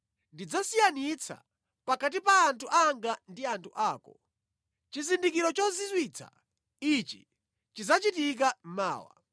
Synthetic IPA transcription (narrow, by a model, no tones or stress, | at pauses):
ndid͡zasijanit͡sʰa̰ | pakat̬ipaːntʰuʔaŋɡandiantʰuʔaːkɔ | t͡ʃizindikiɾɔt͡ʃɔzizwit͡sʰa̰ | it͡ʃi | t͡ʃizat͡ʃitik̬am̩ma̰ːwa̰